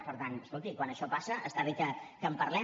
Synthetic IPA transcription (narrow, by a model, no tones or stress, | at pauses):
pəɾt̪anəskolˠt̪ikwanəʃɔpasəʔəst̪aðikəkəmpəɾlɛ